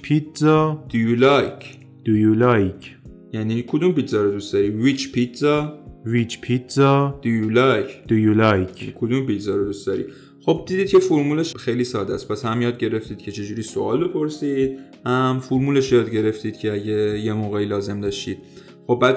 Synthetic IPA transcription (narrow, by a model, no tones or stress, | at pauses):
pʰit̪zɒd̪̥ujulɒjcʰ | d̪̥ujulɒjcʰ | jæːniːkʰod̪umpit̪zɒːɾod̪ust̪d̪ɒːɾivit͡ʃpit̪zɒvit͡ʃʰpʰit̪zɒd̪̥ujulɒjcʰd̪̥ujulɒjʰnikʰod̪umpit̪zɒːɾod̪ustd̪ɒɾḭ | xo̞b̚d̪iːd̪iːd̪̚cʰe̞foɾmuːleʃxe̞jliːsɒːd̪æspʰæshæmjɒːd̪̚ɟe̞ɾe̞ft̪iːd̪̥̚cʰe̞t͡ʃʰe̞d͡ʒuːɾiːsoɒːlbe̞pʰo̞ɾsiːd̪̚ | hæmfoɾmuːle̞ʃjɒːd̪ɟe̞ɾe̞ft̪iːd̪̚cʰe̞æɟe̞je̞moːɣeiːlɒːze̞md̪ɒːʃt̪iːd̪̥̚ | xo̞bːæːd̪